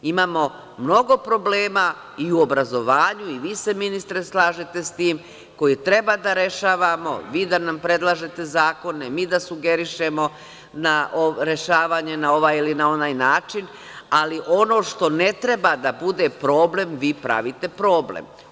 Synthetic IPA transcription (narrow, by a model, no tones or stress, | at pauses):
imaːmo̞ | mno̞ɡo̞pɾo̞ble̞ːma | iuo̞bɾazo̞ʋaːɲuiʋiːse̞minist̪ɾe̞slˠaːʒet̪e̞st̪iːm | ko̞jit̪ɾe̞bad̪aɾe̞ʃaːʋamo̞̰ʋiːd̪anampɾe̞d̪lˠaʒe̞t̪e̞zaːko̞nemiːd̪asuɡe̞ɾiʃe̞mo̞ | naʔoɾe̞ʃaːʋaɲe̞nao̞ʋaːjilinao̞naːjnaːt͡ʃin | aliʔo̞no̞ːʃt̪o̞ne̞t̪ɾe̞bad̪abud̪e̞pɾo̞ːble̞mʋiːpɾa̰ʋit̪e̞pɾo̞ːblḛm